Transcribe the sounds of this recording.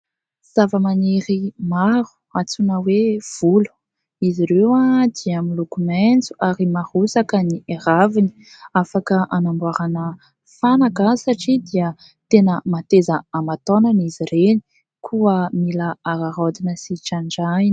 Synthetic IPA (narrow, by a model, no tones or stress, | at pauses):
z̥avəmaneɾimaɾu̥ | at͡sunəwev̥ulu̥ | iziɾewad̪iamilukument͡su̥ʔaɾimahusakənieɾavini̥ | afakəʔanambuaɾanə | fanaɡasaʈ͡ʂid̪iə | t̪enəmat̪ezəamat̪onanizireni̥ | kʰuəmilaaɾaɾod̪inəsiʈ͡ʂaɳɖ͡ʐajn